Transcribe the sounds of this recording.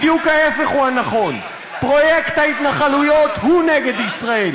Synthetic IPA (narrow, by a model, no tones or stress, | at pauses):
d̪jukaefeχuhanaχo̞n | pʁo̞jekt̪hait̪naχalujo̞t̪huneɡed̪isʁael